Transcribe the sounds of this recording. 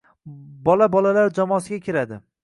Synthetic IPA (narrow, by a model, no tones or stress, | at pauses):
bɒlabɒlalaɾd͡ʒamɒːsɪɡʲakʲʰɪɾad̪ɪ